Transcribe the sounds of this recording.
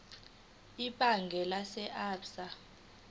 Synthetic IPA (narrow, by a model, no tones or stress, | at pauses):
iɓaŋɡʱɛlasɛʔaːpsa